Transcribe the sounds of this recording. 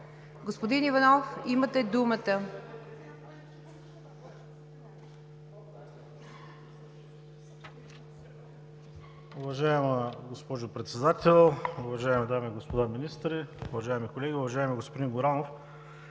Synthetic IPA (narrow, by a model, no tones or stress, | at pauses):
ɡospod̪inivɐnɔfimət̪ɛd̪umət̪ə | ʊvɐʒaɛməɡospɔʒʊpɾɛt̪sɛd̪at̪ɛlˠʊvɐʒaɛmid̪amiɡospod̪aminist̪ɾiʊvɐʒaɛmikolɛɡʲiʊvɐʒaɛmɛɡospod̪inɡoɾanof